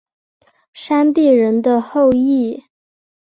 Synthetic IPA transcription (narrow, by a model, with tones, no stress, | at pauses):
ʂa˥nt̪i˥˩ɻə˧˥nd̪ə˧xo˥˧ʊi˥˩